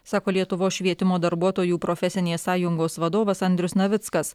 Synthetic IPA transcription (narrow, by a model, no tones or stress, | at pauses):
sɑːkoːlʲiɛt̪ʊʋoːsʃʲʋʲiɛt̪ʲɪmoːd̪ɐɾbuɔt̪oːjuːpɾofʲɛsʲɪnʲeːssɑːjʊŋɡoːsʋɐd̪oːʋɐsɐnʲd̪ʲɾʲʊsnɐʋʲɪt̪skɐs